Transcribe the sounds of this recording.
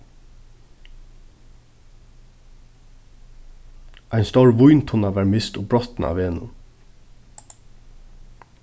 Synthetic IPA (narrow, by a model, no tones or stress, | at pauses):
ʔæjnst̪ɔɹʋʊjnt̪ʰʊnaʋæːɹmɪst̪ʊbɹɔt̪nʔa̰ʋeːnʊ̰m